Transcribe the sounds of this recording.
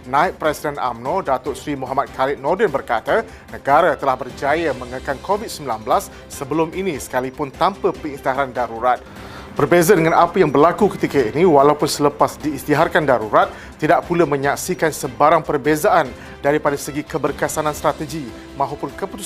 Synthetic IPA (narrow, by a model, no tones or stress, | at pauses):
nãit̪̚pɾɛsidɛna̰mnɔdat̪ʊʔsɾimuɦamat̪̚kʰalɪt̪̚nɔdənbərkat̪a | nə̃ɡaɾat̪əlahbərd͡ʒajamə̃ŋəkankʰovid̪̚səmbilanbəlasː | əbəlʊminĩsə̥kalipʊnt̪ampəpəist̪iɦaɾandaɾuɾat̪̚ | bərbezadəŋãnapəjaŋbərlakukət̪ikəiniwalaupʊnsələpasdiːst̪iɦarkandaɾuɾat̪̚ːidaʔpuləmə̃ɲaksikansəbaɾaŋpərbezaʔan | daɾipadasəɡikəbərkəsanãnst̪ɾat̪əɡi | mãɦupʊnkəput̪u